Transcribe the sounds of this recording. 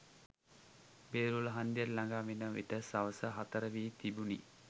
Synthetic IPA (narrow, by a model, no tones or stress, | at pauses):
beːɾuləɦand̪jəllaŋɡaːmenəʋḛʈəsaʋəsəɦat̪əɾəʋiːt̪ibunḭ